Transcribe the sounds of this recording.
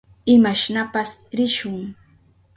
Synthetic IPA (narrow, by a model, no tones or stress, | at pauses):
ɪmaʃnapasɾɪʃʊŋ